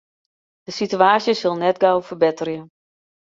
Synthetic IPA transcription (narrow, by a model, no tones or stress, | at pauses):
d̥əsityaːsjəsɪlˠnɛtɡawfərbɪtərjə